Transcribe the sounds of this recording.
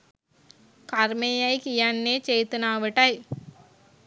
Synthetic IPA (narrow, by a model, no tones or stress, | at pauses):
kɐɾmejɐjkijɐnːeːt͡ʃejt̪ɐnaːʋiʈɐj